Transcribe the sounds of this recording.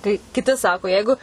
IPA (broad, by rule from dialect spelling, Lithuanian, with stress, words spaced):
kɐɪ kʲɪˈtʲɪ ˈsɑːkoː ˈjɛɪɡʊ